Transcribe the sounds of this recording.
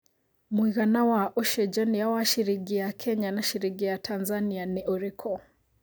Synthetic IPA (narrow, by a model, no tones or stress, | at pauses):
muiɣanawaʔɔʃɛd͡ʒanijawaʃiɾiɡijakʰɛɲanaʃiɾiɡijatʰanzanianiʔɔɾɛkʰɔ